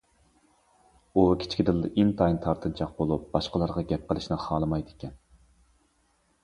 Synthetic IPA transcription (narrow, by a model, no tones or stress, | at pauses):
ukʲʰɪ̥t͡ʃkʲid̪ɨld̪ɪʔint̪ʰɑjnt̪ʰɑɾt̪ʰɨnt͡ʃʰɑq̚bolˠup̚bɑʃqəlˠɑɾʁɑɡʲɛp̚qəlˠɪʃnɪχɑːlˠɨmɑjd̪ɪ̥kʲɛn